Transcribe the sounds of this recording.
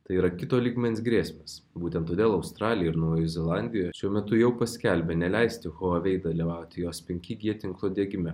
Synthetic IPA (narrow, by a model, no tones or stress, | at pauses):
t̪ɐɪiːɾɐkʲɪt̪oːlʲiːɡmʲɛnʲsʲɡɾʲiːsʲmʲeːs | buːt̪ʲɛnt̪ːoːd̪ʲeːlˠɐʊst̪ɾɑːlʲɪjɛɪɾnɐʊjoɛzʲɛlˠɑˑnʲd̪ʲɪjoːjɛʃʲuɔmʲɛt̪ʊjɛʊpɐsʲkʲɛlʲbʲɛnʲɛlʲæɪsʲt̪ʲɪxoɐʋʲɛɪd̪ɐlʲiʋɑˑʊt̪ʲɪjoːspʲɛŋʲkʲɪɡʲiɛt̪ʲɪŋklˠoːd̪ʲeɛɡʲɪmʲɛ